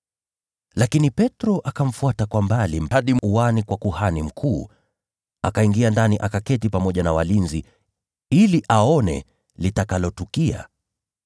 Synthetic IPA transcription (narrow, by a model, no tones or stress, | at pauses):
lakinipɛtɾɔʔakaɱ̩fuatakwambalim̩aɗimuwanikwakuhanim̩kʰuː | akaiŋɡiandaniʔakakɛtipamɔʄanawalinzi | iliʔaɔnɛ̰ | litakalɔtukia̰